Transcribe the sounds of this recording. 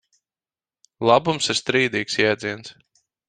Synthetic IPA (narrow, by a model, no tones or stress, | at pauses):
lˠabumsiɾst̪ɾiːd̪iːksjad̪ziɛns